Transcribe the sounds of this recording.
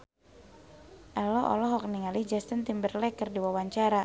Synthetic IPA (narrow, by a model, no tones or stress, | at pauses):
ʔɛlɔʔɔ̰lɔɦɔk̚niŋalihd͡ʒast̪int̪imbərlɛkərdiwawaɲt͡ʃaɾa